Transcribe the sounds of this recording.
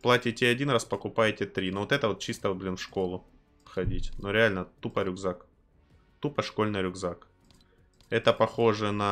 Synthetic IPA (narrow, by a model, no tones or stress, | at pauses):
plˠatʲɪtʲɪɐdʲinɾraspəkʊpajɪtʲɪt̪ɾʲinovot̪ɛt̪əvot̪̚t͡ɕist̪əvɨblʲɪnfʂko̞lˠʊ | fxɐdʲitʲnoɾʲɪalʲnət̪upəɾʲʊɡzak | t̪upəʂko̞lʲnɨjɾʲʊɡzak | ɛt̪əpɐxo̞ʐɨnɐ